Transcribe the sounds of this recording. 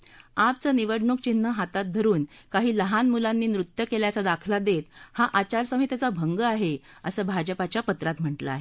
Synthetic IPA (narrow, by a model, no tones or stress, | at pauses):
ap̚t͡səːniʋəɽɳuk̚t͡ɕinːəɦat̪at̪̚d̪ʱəɾuːnkaɦiːləɦanmulanːiːnɾut̪jəkeljat͡sad̪akʰlad̪et̪haʔat͡ɕaɾsəmit̪jat͡sabʱəŋɡəaɦe | əsəːbʱad͡ʑəpat͡ɕjapət̪ɾat̪m̤əɳʈlə̰a̰ɦe